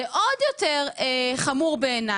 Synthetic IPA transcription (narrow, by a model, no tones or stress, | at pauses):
eʔodjo̞teʁeχamuʁbe̞ːna